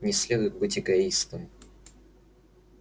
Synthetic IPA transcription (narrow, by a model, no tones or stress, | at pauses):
nʲɪsʲlʲed̪ʊjɪt̪̚bɨtʲɪɡɐist̪əm